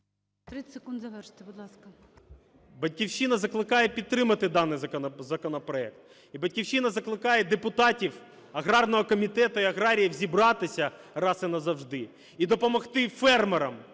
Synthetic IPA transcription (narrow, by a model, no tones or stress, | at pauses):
t̪ɾɪsekund̪zɐʋɛrʃt̪ebʊd̪lˠɑskɐ | bɐdʲkʲiwʃinɐzɐklˠɪkɑjepʲidt̪̚t̪ːɾɪmɐt̪ɪd̪ɑnɪjzɐzɐkɔnɔpɾɔɛk̚t̪̚ | ibɐtʲkʲiwʃinɐzɐklˠɪkɑjɛd̪epʊt̪ɑtʲiw | ɐɣɾɑrnɔɦɔkɔmʲit̪ɛt̪ʊiɐɣɾɑɾʲijiwzʲibɾɑt̪ɪsʲɐ | rɑsɪnɐzɐwʒd̪ɪ | id̪ɔpɔmɔxt̪ɪfɛrmeɾɐm